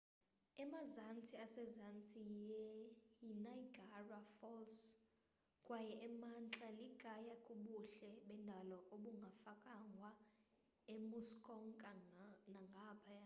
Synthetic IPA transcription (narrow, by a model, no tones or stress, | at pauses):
ɛmazant͡sʰʼiasɛzant͡sʰʼijɛjinaiɡʱarafɔls | kʼwajɛʔɛmant͡ɬʼaliɡ̥ʱajakʼuɓuɬɛɓɛndʱalɔʔoɓuŋɡʱafakʼaŋɡʱwa | emuskʼɔŋkʼanaŋɡʱapʰaja